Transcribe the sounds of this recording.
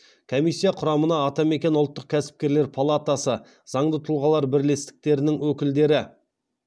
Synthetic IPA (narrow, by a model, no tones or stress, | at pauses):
kʲʰo̞mijsʲːijɑqʰʊɾɑmənɑːt̪ɑme̞kʲe̞nʊlˠt̪ːəq̚kʲʰæsɪ̥p̚kʲe̞ɾle̞ɾpʰalˠat̪asə | zɑɴd̪ət̪ʰʊlˠʁɑlˠɑɾbɪɾle̞st̪ɪ̥k̚t̪e̞ɾɪnɪŋwɵkʲɪld̪e̞ɾɪ